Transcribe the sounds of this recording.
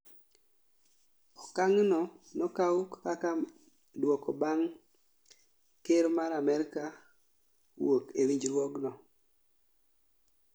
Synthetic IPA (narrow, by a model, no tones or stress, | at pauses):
ɔkaŋnɔnɔkaukkaka | dwɔkobaŋ | keɾmaɾamɛɾka | wokewiɲd͡ʒɾwɔɡnɔ